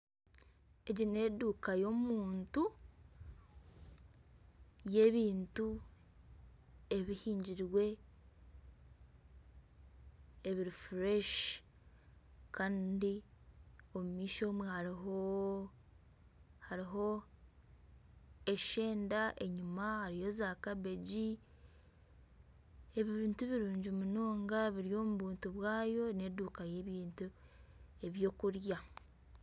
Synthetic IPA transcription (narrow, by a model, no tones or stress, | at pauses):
e̞ɟine̞duːkajo̞muːntu | je̞ːβiːntu | e̞βihiːɲɟiɾwe̞ | βiɾifɾeʃ | kaːndi | o̞mumiːʃo̞ːmwehaɾiɦo | haɾiɦo̞ | e̞ʃe̞ːndaʔe̞ɲumahaɾijo̞zaːkaβeɟi | e̞βiβiːntuβiɾuːɲɟimunoːŋɡaβiɾijo̞muβuːntuβwaːjo̞ne̞duːkaje̞ːβiːntu | e̞βjo̞ːkuɾja